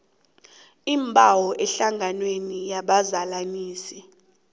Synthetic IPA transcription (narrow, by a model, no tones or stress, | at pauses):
imbʱʼawɔʔɛɬaŋʱanwenijaɓazalaniːsi